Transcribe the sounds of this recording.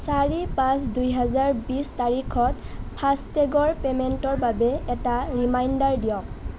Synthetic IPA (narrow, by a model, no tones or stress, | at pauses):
saɹipãsdujɦɛzaɹbistaɹikʰɔtpʰastɛɡɔɹpɛmɛntɔɹbabɛɛtaɹimajndaɹdijɔ̃k